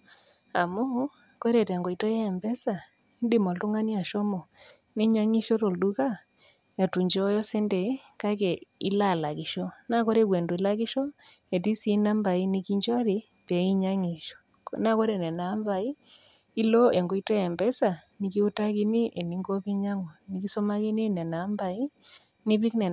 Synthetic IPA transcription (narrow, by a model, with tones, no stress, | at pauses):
a˨mo˦ | kwe˦ɾe˨tɛ˨ŋɡɔ˨i˨tɔ˦jɛ˦ɛ˨mbɛ˦sa˨ | i˦nde˦mɔ˨to˦ŋa˦ni˦a˨ʃɔ˦mɔ˨ | ne˦ɲa˦ŋi˦ʃɔ˦ɾo˨du˦ka˦ | e˨tu˨ɲd͡ʒɔ˦jɔ˦sɛ˦ndɛ˨˦ka˦ke˨i˦la˦˨la˨ɣi˨ʃɔ˦na˦kɔ˦ɾe˦ɣwe˨ndo˨e˨la˦ɣi˦ʃɔ˦e˨ti˦si˦na˦mba˨i˦ni˦ki˦ɲd͡ʒwa˦ɾi˨ | pɛ˨˦i˦ɲa˦ŋi˨ʃɔ̥˨ | na˦kɔ˦ɾe˦˨nɛ˨na˨˦mba˨i˦ | i˦lɔ˦e˨ŋɡo˨˦i˦tɛ˦ɛ˨mbɛ˦sa˨ni˨˦ki˦u˦ta˦ki˦ni˦ʔe˨ni˨˦ŋɡo˦pi˦ɲa˦ŋɔ˨ni˦ki˦sɔ˦ma˦ki˦ni˦˨nɛ˨na˨˦mba˨i˦ | ni˦pi˦knɛ˨